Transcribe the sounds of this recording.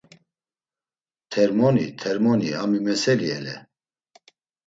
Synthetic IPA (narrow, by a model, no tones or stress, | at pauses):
t̪ʰɛɾmɔnit̪ʰɛɾmɔniamimɛsɛliɛ̰lɛ̰